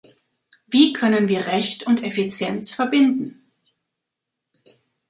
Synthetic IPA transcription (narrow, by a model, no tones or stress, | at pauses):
viːkʰœnənviːɐʁɛçtʰʊntɛfit͡sjɛnt͡sfɛɐbɪndn̩